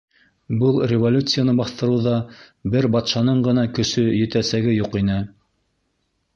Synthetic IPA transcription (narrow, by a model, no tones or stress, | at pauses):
bɤlˠrʲɪvolʲut̪sɨjanɤbɑθt̪ɤ̆ɾɤ̆wðɑ | bɘɾbɑt̪ʃɑnɤɴɢɤ̆nɑkɵ̆sɵjɘ̆t̪æsæɡɘjuqinɘ